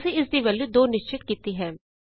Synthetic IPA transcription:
seɪsd̪iːʋəlud̪oːnɪʃt͡ʃɪt̪̚kiːt̪iɦɛ̃ː

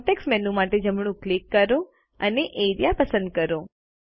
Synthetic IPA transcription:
ʈeksmɛnũmaʈed͡ʒəmɳ̃ũklikːəɾo | əneʔeɾjapəsənd̪̚kəɾo

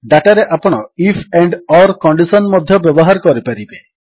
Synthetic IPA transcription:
ɖaʈaɾeʔapɔɽ̃ɔipʰeɳɖɔɾkɔɳɖisɔnmɔd̪ʱjɔbjɔbɔɦaɾkɔɾipaɾibe

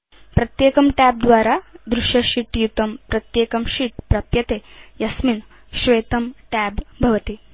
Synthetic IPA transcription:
pɾɐt̪jeːkɐmʈæːp̚d̪ʋaːɾaːd̪ɾuʃjɐʃiʈjut̪ɐmpɾɐt̪jeːkɐmʃiʈpɾɐpjɐt̪eːjɐsmin | ʃʋeːt̪ɐmʈɛːbbʱɐʋɐt̪i

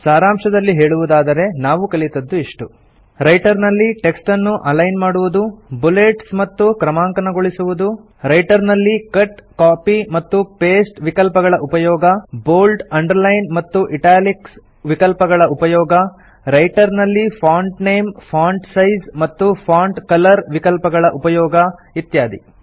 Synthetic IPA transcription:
saːɾaːmʂɐd̪ɐlːiɦe̞ːɭuʋud̪aːd̪ɐɾe̞naːʋukɐɭit̪ɐd̪ːuiʂʈu | ɾɐjʈɐɾnɐlːiʈe̞ksʈɐnːuʔɐlɐjnmaːɽuʋud̪ubuleʈsmɐt̪ːukɾɐmaːŋkɐnɐɡoɭisuʋud̪u | ɾɐjʈɐɾnɐlːikɐʈkaːpimɐt̪ːupeːsʈʋikɐlpɐɡɐɭɐʔupɐjɔːɡɐboːlɖɐɳɖɐɾlɐjnmɐt̪ːuʔiʈaːliks | ʋikɐlpɐɡɐɭɐʔupɐjɔːɡɐ | ɾɐjʈɐɾnɐlːipʰaːɳʈne̞ːmpʰaːɳʈsɐjzmɐt̪ːupʰaːɳɖkɐlɐɾʋikɐlpɐɡɐɭɐʔupɐjɔːɡɐ | it̪jaːd̪ḭ

